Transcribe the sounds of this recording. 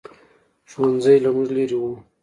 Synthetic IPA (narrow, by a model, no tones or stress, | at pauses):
ʒ̥wanzajlamuʐleɾiwu